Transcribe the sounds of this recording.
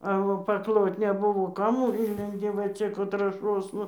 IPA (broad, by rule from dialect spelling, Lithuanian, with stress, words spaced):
ɐ oː pɐkˈlˠoːt nʲɛˈbʊʋoː ˈkɐm ˈɪnʲlʲɛnʲdʲɪ ʋɐ ˈt͡ʃʲɛ kʊr trɑːˈʃoːsnɐ